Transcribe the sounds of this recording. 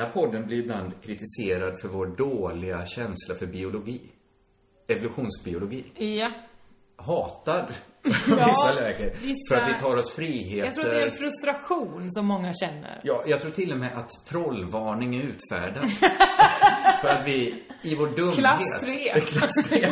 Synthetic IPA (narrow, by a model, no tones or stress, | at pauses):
æɾpʰɔd̪ːənblɪɾɪbland̪kʰɾɪt̪ɪseːɾad̪fœɾvoːɖoːlɪɡaɕɛnslafœɾbɪʊlʊɡiː | ɛvʊlɵɧuːnsbɪʊlʊɡiː | hɑːt̪ad̪ | vɪsːalɛːɡəɾɪfœɾat̪vɪt̪ʰɑːɾɔsfɾiːɦeːt̪t̪ʰɾːəɾɛfɾɵst̪ɾaɧuːnsɔmːɔŋːaɕɛnːə̰ɾjɑːjɑɡt̪ʰɾuːʈʰɪlːɔmɛʔat̪ʰːɾɔlːvɑːɳɪŋæɾʉ̟ːt̪fæ̰ːɖa | fœɾat̪vɪɪvoːɖɵmːheːt̪ːkʰlas